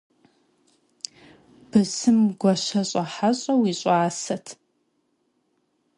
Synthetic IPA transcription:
b̥ɨsɨmɡʷɔɕɐɕʼɐħaɕʼɐwiːɕʼaːsɐtʰ

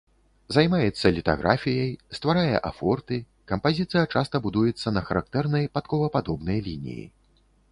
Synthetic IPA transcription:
zajmajɛt̪sːɐlʲit̪a̰ɣɾʔafʲijɐjst̪vaɾajɛ̰ʔa̰fɔrt̪ɨ | kɐmpazʲit̪sɨjɐt͡ʂast̪ɐbud̪ujɛt̪sːɐnɐxɐɾa̰kt̪ɛrnɐjpat̪kɔvɐpad̪ɔbnɐjlʲinʲḭjḭ

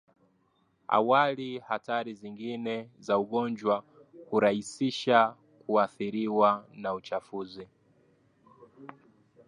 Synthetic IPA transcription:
a̰walihataɾiziŋɡinɛzauɠɔnd͡ʒwa | huɾahisiʃa | kuaθiɾiwanaut͡ʃafuzi

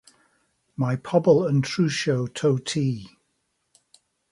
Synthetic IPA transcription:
maɪpʰʌbəlˠə̃ntʰɹ̥ʉːʃoʊtʰoʊtʰiː

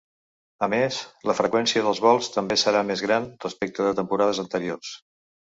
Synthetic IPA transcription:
əmesləfɾəkwɛnsiəðəlˠzβ̞ɔlˠst̪əmbesəɾamezɣɾanrəspek̚t̪əðət̪əmpuɾaðəzənt̪əɾiors

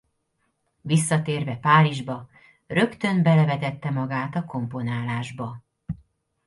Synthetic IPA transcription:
visːɒt̪eːrvɛpaːliʒbɒ | rø̞kt̪ø̞nbɛlɛvɛt̪ɛt̪ːɛmɒɡaːt̪ɒko̞mpo̞naːlaːʒbɒ

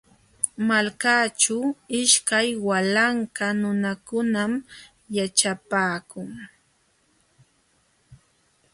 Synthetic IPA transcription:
malkaːt͡ʃʊɪʃkajwalaŋkanʊnakʊnam | jat͡ʃapaːkʊŋ

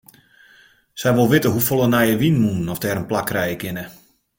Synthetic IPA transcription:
sɛjʋolˠʋɪtəɦufolˠənajəʋinmunnɔfdɛːɾənplakrɛjəkɪnə

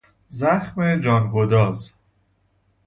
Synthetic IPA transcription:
zæxmed͡ʒɒːnɡod̪ɒːz

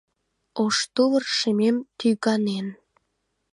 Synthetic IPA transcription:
oʃt̪uvərʃememt̪yɣɑnen

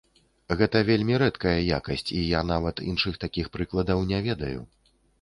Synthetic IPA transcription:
ɣɛt̪ɐvʲelʲmʲiɾɛt̪kɐjɐja̰kɐsʲt͡sʲijan̪avɐt̪ḭnʂɨxt̪akʲixpɾɨklˠɐd̪ɐwnʲɛvʲɛd̪ɐjṵ

